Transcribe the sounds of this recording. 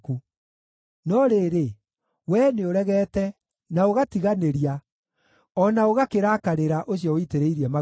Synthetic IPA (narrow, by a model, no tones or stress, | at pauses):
ku | nɔɾeːɾe | wɛːneoɾɛɣɛːtɛ | naoɣatiɣaneɾia | ɔnaoɣakeɾakaɾeɾaʔoɕjɔoiteɾeiɾiɛma